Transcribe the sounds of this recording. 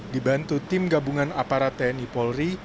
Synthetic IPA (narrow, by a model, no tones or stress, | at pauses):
dibant̪ut̪ɪmɡabuŋanapaɾat̪ɛnipɔlri